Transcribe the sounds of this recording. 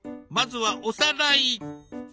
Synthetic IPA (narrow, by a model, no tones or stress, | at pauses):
mad͡zuwaʔusadai